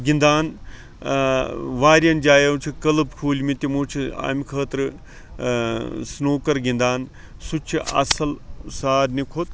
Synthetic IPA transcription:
ɡind̪aːn | ʋaːɾʲjɐnd͡ʒaːjɐwt͡ʃʰikɐlɨbkʰuːlʲmit̪imoːt͡ʃʰia̰ːmikʰəːt̪ɾɨ | snoːkɐɾɡĩnd̪aːn | sut͡ʃʰiɐ̰sɐlsaːɾnikʰot̪

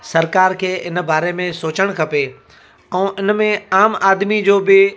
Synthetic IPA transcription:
sɐɾkaːɾkʰeːʔɪn̆baːɾemẽsoːt͡ɕəɽ̃kʰɐpe | ɛ̃ːʔɪnmẽaːmaːd̪mid͡ʑoːbɪ

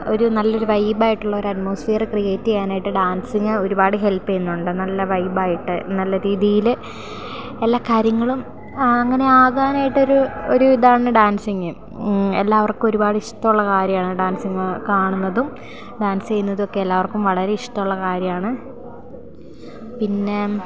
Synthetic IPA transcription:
o̞ɾunɐlːɐo̞ɾuʋɐjbaːjiʈːuɭːɐoɾɐtmoːsfeːrɨkrijeːtːiɣaːnaːjiʈːɨɖaːnsiŋːɨo̞ɾubaːɽɨɦe̞lpːɨenːuɳɖɨnɐlːɐʋɐjbaːjiʈːɨnɐlːɐɾiːðijil | elːaːkaːɾjɐŋːɐɭum | ɐŋːɐne̞aːɣaːnaːjiʈːo̞ɾuoɾuʋid̪aːɳɨɖaːnsiŋːɨ | elːaːʋɐrkɨmo̞ɾubaːɽɨiʂtɐmuɭːɐkaːɾjɐmaːɳɨɖaːnsiŋːkaːɳunːɐðum | ɖaːnst͡ɕejunːɐðo̞kːeelːaːʋɐrkumʋɐɭɐɾeiʂtɐmuɭːɐkaːɾjɐmaːɳɨ | pinːe

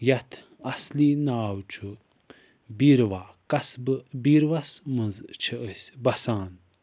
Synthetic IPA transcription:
jɐt̪ʰ | ɐsliːnaːwt͡ʃʰu | biɾʋaːkɐsbɨbiɾʋɐsməzt͡ʃʰiəsʲbɐsaːn

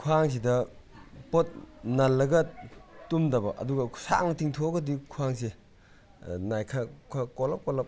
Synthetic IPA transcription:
kʰuaŋs̬idɐ | pot̚nɐlːɐɡɐtumdɐbɐʔɐ̰duɡɐ̥sa̰ŋnɐtʰiŋtʰoɡɐdikʰuaŋse | najkʰɐkʰakɔlɐp̚kɔlɐp̚

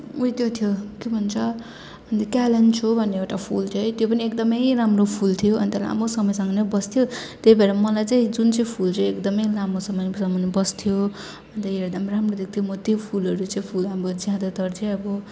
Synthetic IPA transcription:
uit̪jot̪ʰjokjobʱʌnt͡sʰʌ | ʌnt̪kalent͡sʰobʱʌnːeewʈapʰṵlt̪ʰoɦjt̪jopʌniekd̪ʌmʌjramropʰult̪ʰijoʌnt̪ʌla̰mosʌmʌjsʌŋʌnʌbʌst̪ʰijot̪ejbʱeɾamʌlajt͡saĩd͡zunt͡saĩpʰult͡seekd̪ʌmʌjlamosʌmʌnsʌmːʌnbʌst̪ʰijo | ʌnt̪ʌeɾd̪ʌmramrod̪ek̚t̪ʰjomʌt̪jopʰulʌɾut͡saĩpʰulambʌd͡zjãd̪ʌt̪ʌrt͡sʰeʌbʌ

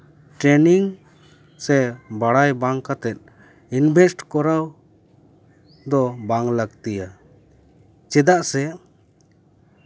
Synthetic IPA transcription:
ʈɾɛniŋ | sɛbaɽajbaŋkat̪ɛt̪̚ˀ | inbʱɛsʈkɔɾaw | d̪ɔbaŋləɡt̪ija | t͡ʃɛd̪aʔsɛ

